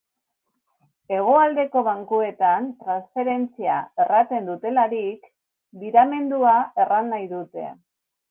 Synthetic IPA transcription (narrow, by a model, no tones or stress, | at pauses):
e̞ɣ̞o̞ald̪e̞ko̞βaŋkue̞t̪ant̪ɾansfe̞ɾe̞nt͡siae̞rat̪e̞nd̪ut̪e̞laɾik | biɾame̞nd̪uae̞ranːajðut̪e̞̰